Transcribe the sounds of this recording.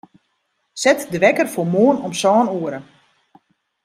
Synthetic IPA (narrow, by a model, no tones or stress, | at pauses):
sɛtdʋɛkərfomoːənɔmsɔːnuəɾə